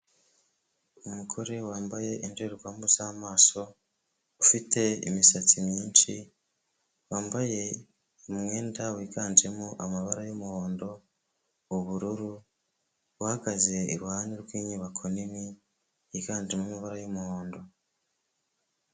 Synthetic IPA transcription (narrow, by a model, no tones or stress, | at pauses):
umukʰo̞ɾe̞waːmbaje̞ʔindeɾiɡwaːmbuzaːmaːso̞ | ufitʰe̞ḭmisat͡simjiːnʃi | waːmbaje̞ː | mwe̞ːndawiːɡaːnd͡ʒe̞muʔamaβaɾajomuho̞ːndo̞ | uβuɾuɾu | wahaɡaze̞iɾwhaːniɾɡwiːɲiβakʰonimi | jiɡaːnd͡ʒemuamaβaɾajomuho̞ːndo̞